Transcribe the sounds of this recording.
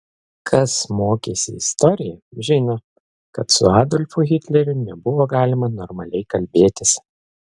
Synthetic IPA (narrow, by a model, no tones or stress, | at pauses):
kʰɐsmoːkʲeːsʲɪɪst̪ɔɾʲɪjɛʒʲɪnoː | kɐt̪sʊ̰ɑːd̪ɔlʲfʊɣʲɪt̪ʲlʲɛɾʲʊnʲɛbʊʋoːɡɑːlʲɪmɐnɔɾmɐlʲɛɪkɐlʲbʲeːt̪ʲɪs